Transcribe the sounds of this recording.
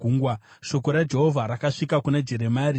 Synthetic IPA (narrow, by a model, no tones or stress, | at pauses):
uːŋɡwa | ʃo̞ko̞ɾad͡ʒe̞ɦo̞vʱaɾakaʂikakunad͡ʒe̞ɾe̞maːri